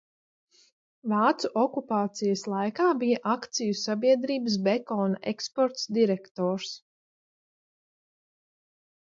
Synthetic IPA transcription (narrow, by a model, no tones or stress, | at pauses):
vɑːt̪suʔɔkupaːt̪sijɐslˠajkaːbijɐʔakt̪sijusabiɛd̪ɾiːbəs̬bɛkɔːnaʔekspɔɾt̪sd̪iɾɛkt̪ɔːɾs